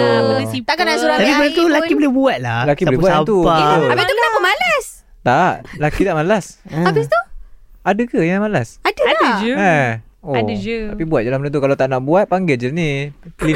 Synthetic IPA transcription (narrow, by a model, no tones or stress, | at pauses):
iakanasuɾat̪apibənət̪ulakibəlɪbuat̪̚lalakibəlibatat̪uabit̪ukənãbəmalas | t̪aʔlakit̪aʔmalasabist̪u | adakajamalasadadəd͡ʒəa | od͡ʒ̪apibuat̪̚dalahmənənt̪ukalat̪aʔnaʔbuat̪̚paŋɡɪld͡ʒənili